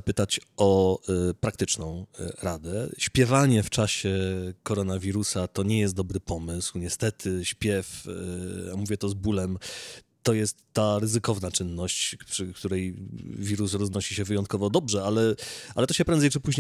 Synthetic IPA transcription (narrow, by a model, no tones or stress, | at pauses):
pɘt̪at͡ɕɔpɾak̚t̪ɘt͡ʂnɔ̃w̃ɾad̪ɛɕpʲjɛvaɲɛft͡ʂaɕɛkɔɾɔnavʲiɾusat̪ɔɲɛjɛst̪d̪ɔbɾɘpɔmɘswɲɛst̪ɛt̪ʰɘɕpʲjɛf | amuvʲjɛt̪ɔzbulɛm | t̪ːɔjɛst̪ːaɾɘzɘkɔvnat͡ʂɘnːɔɕt͡ɕpʂɘkt̪uɾɛjvʲiɾusɾɔznɔɕiɕɛvɘjɔnt̪̚kɔvɔd̪ɔbʐɛalɛalɛt̪ɔɕɛpɾɛnd̪zɛjt͡ʂɘpuʑɲe